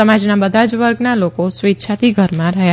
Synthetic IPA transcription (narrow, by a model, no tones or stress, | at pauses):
əmad͡ʒnabəd̪ʱad͡ʒʋəɾɡnalokosʋitːʃʰat̪iɡʱəɾmãɾəɦja